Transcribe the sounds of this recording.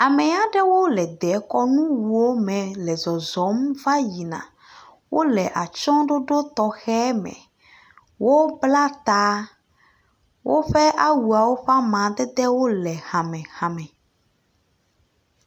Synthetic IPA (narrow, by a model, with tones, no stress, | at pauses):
a˨mɛ̃˨ja˦ɖɛ˦wo˦lɛ˨d̪ɛ˨˦kɔ˦nũ˦wu˨wo˦mɛ̃˨lɛ˨zɔ˨zɔ˨˦mva˦ji˨nã̰˨ | wʔo˦lɛ˨ʔa˨t͡ʃɔ̃˦ɖo˦ɖo˦t̪ɔ˨xɛ˦mɛ̰̃˨ | wo˦bla˦t̪a˦ | wʔo̰˦ɸɛ˦ʔa˦wu˨a˨wo˦ɸa˦mã˨d̪ɛ˦d̪ɛ˦wo˦lɛ˨hã˨mɛ̃˨hã˨mɛ̃˨